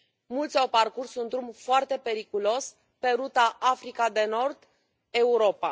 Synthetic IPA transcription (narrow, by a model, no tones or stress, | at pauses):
mult̪sʲo̞rparkursund̪ɾumfoart̪e̞pe̞ɾikulo̞s | pe̞ɾut̪aʔafɾikad̪e̞no̞rd̪ | e̞uɾo̞pa